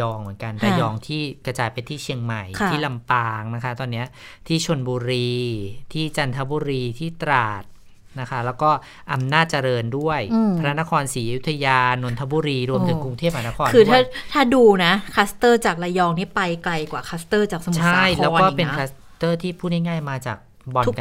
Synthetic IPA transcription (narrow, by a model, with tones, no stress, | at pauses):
jɔː˧ŋmɯ˨˩˦nka˧nɾa˧jɔː˧ŋt̪ʰiː˥˩kɾa˧t͡ɕaː˧jpe˧nt̪ʰiː˥˩t͡ɕʰi˧əŋma˨˩jʰt̪ʰiː˥˩la˧mpaː˧ŋna˦˥kʰa˦˥t̪ɔː˧nːi˦˥ɐ | t̪ʰiː˥˩t͡ɕʰo˧nbuː˧ɾiː˧t̪ʰiː˥˩t͡ɕa˧nt̪ʰa˦˥buː˧ɾiː˧t̪ʰiː˥˩t̪ɾaː˨˩t̪̚ | na˦˥kʰa˦˥lɛː˦˥wkɔː˥˩ | ʔa˧mnaː˥˩t̪̚t͡ɕa˧ɾɤː˧ndu˥˩əjpʰa˧na˦˥na˦˥kʰɔː˧nsiː˩˦ʔa˧˨ju˦˥t̪ʰːa˧jaː˧no˩˦nt̪ʰa˧˥buː˧ɾiː˧ɾu˧mt̪ʰɯ˩˦ku˧ŋt̪ʰeː˥˩p̚haː˧˩na˦˥kʰɔː˧nʰɯː˧t̪ʰa˥˩t̪ʰaː˥˩duː˧na˦˥kʰaː˦˥st̪ɤː˥˩t͡ɕaː˨˩k̚la˧jɔː˧ŋniː˦˥˩pa˧jkla˧jkwaː˨˩kʰa˦˥st̪ɤː˥˩t͡ɕaː˨˩k̚sa˧t͡ɕʰa˥˩jlɛː˦˥kɔː˥˩pe˧nkʰaː˦˥s | t̪ɤː˥˩t̪ʰiː˥˩pʰuː˥˩ha˥˩jŋaː˥˩jmaː˧t͡ɕaː˨˩k̚ | bɔ˧k